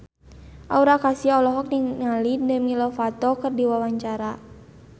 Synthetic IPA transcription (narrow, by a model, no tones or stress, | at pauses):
ʔauɾakasiɔlɔɦɔk̚niŋalidəmilɔfat̪ɔkɨrdiwawaɲt͡ʃaɾa